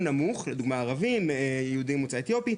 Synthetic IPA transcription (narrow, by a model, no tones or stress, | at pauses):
namuχled̪uɡmaːʁavimejehud̪imut͡saet̪jo̞pi